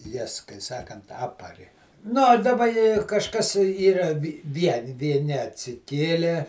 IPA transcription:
ˈjɛs kɐɪ ˈsɑːkɐnt ˈɑːpɐrʲɪ ˈnʊ oː dɐˈbɐ ɪ kɐʃˈkɐs ˈiːrɐ ˈʋʲiɛnʲɪ ʋʲiɛˈnʲɪ ɐtʲsʲɪˈkʲeːlʲeː

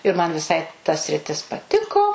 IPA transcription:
ɪr mɐn ʋʲɪˈsɐɪ tɐ sʲrʲɪˈtʲɪs pɐˈtʲɪkoː

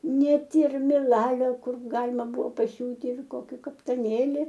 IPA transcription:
ˈnʲɛt ɪr mʲɪˈlˠɑːlʲoː ˈkʊr ˈɡɑːlʲɪmɐ ˈbʊʋoː pɐˈsʲuːtʲɪ ɪr ˈkoːkʲɪ kɐptɐˈnʲeːlʲɪ

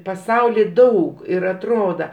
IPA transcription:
pɐˈsɐʊlʲiː ˈdɐʊk ɪr ɐtˈroːdɐ

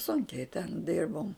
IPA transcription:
ˈsʊŋʲkʲɛɪ tʲɛn ˈdʲɪrboːm

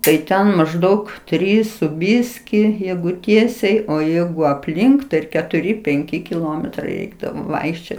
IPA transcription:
tɐɪ ˈtʲɛn mɐʒˈdɐʊk ˈtʲrʲiːs sʊ ˈbʲɪsʲkʲiː ˈjɛɪɡʊ ˈtʲiɛsʲɛɪ oː ˈjɛɪɡʊ ɐpʲˈlʲɪŋk tɐɪ ɪr kʲɛtʊˈrʲɪ pʲɛŋʲˈkʲɪ kʲɪˈlˠoːmʲɛtrɐɪ ˈrʲɛɪɡdɐʋoː ˈʋɐɪkʃʲt͡ʃʲoːt

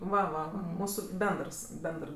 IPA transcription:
ˈʋɐ ʋɐ ˈʋɐ ˈmuːsʊ ˈbʲɛndrs ˈbʲɛndr

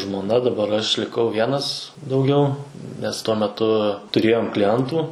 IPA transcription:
ʒmoːˈnɐ dɐˈbɐr ɐʃ lʲɪˈkɐʊ ˈʋʲiɛnɐs dɐʊˈɡʲɛʊ nʲɛs ˈtuɔ mʲɛˈtʊ tʊˈrʲeːjoːm klʲɪˈɛntuː

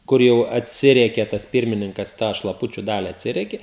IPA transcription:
ˈkʊr jɛʊ ɐtʲˈsʲɪrʲiɛkʲɛ tɐs ˈpʲiːrʲmʲɪnʲɪŋkɐs tɑː ʃlˠɐˈpʊt͡ʃʲʊ ˈdɑːlʲɪ ɐtʲˈsʲɪrʲiɛkʲeː

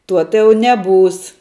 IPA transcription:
ˈtuɔ tɐɪ ˈjɛʊ nʲɛˈbuːs

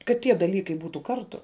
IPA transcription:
kɐt ˈtʲiɛ dɐˈlʲiːkɐɪ ˈbuːtuː ˈkɐrtʊ

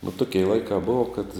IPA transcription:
ʋoː ˈtʊkʲɪ ɪ ˈlˠɐɪkɑː ˈboːʋɐ kɐt

